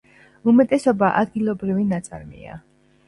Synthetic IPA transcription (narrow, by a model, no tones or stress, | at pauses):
umɛt̪ʼɛsɔbaʔad̪̚ɡilˠɔbɾivinat̪sʼa̰ɾmḭa̰